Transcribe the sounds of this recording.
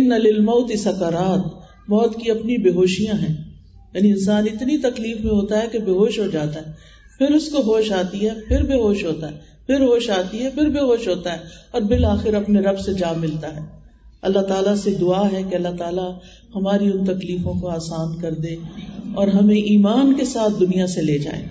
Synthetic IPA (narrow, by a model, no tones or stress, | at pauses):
ɪnːɐlɪlmɐːt̪isɐkaɾaːt̪ | mɔːt̪kiɐpnibeːɦoːʃijãɦɛ̃ː | jaːniɪnsaːnɪt̪nit̪ɐkliːfmẽɦoːt̪aɦɛkebeːɦoːʃɦod͡ʒaːt̪aɦɛː | pʰɪɾʊskoɦoːʃaːt̪iɦɛpʰɪɾbeːɦoːʃɦoːt̪aɦɛː | pʰɪɾɦoːʃaːt̪iɦɛpʰɪɾbeːɦoːʃɦoːt̪aɦɛːɔːɾbɪlaːxɪɾɐpneɾɐbsed͡ʒaːmɪlt̪aɦɛː | ɐlːaɦt̪aːlased̪ʊaːɦɛkeɐlːaɦt̪aːla | hɐmaːɾiʊ̃nt̪ɐkliːfõkoaːsaːnkɐɾd̪eɔːɾɦɐmẽʔiːmaːnkesaːt̪̚ʰd̪ʊnijaseleːd͡ʒa̰ːḛː